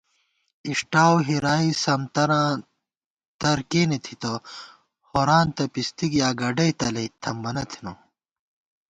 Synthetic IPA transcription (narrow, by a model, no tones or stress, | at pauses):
iʂʈaːwɦiɾaːisɐmt̪ɐɾãː | t̪ɐɾkeːnet̪ʰit̪o | hoɾaːnt̪ɐpist̪iɡjaːɡɐɖɐjt̪ɐlɐit̪ʰːɐmbɐnɐt̪ʰino